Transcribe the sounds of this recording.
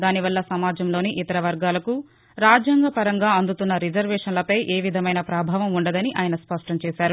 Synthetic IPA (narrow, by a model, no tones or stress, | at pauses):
d̪aːniʋɐlːɐsɐmaːd͡ʒɐmlo̞ːniʔit̪ɐɾɐʋɐɾɡaːlɐku | ɾaːd͡ʒjaːŋɡɐpɐɾɐŋɡaːɐnd̪ut̪unːɐɾid͡ʒɐɾʋɛːʂɐnlɐpɐjʔeːʋid̪ʱɐmɐjnɐpɾaːbʱaːʋɐmuɳɖɐd̪ɐniʔaːjɐnɐspɐʂʈɐmt͡ʃɛːsaːɾu